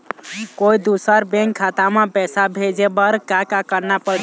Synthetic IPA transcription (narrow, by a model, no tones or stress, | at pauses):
koid̪usəɾbẽŋkʰːat̪amepɛsabʱed͡ʒebəɾkakakəɾnapəɽ